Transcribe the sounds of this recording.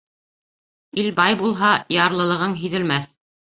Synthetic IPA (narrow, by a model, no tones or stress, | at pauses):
ilbɑjbulˠɦɑjɑɾlˠɤ̆lˠɤ̆ʁɤɴɦiðɘ̆lmæθ